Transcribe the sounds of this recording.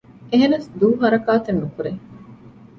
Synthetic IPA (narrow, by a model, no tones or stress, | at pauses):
eɦenɐsd̪uːɦɐɾɐkaːt̪enːukuɾe